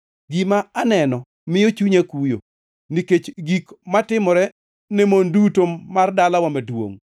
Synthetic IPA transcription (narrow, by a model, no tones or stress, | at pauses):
ɡimaanɛnɔ | mɪjot͡ʃuɲakujo̰ | niket͡ʃɡikmatɪmɔɾɛ | nɛmondutomardalawamadwo̰ŋ